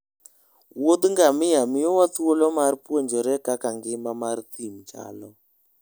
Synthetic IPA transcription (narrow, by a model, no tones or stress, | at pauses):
wod̪ŋɡamɪamɪjɔwat̪uolɔmaɾpwoɲd͡ʒɔɾɛkakaŋɡɪmamaɾt̪imd͡ʒa̰lɔ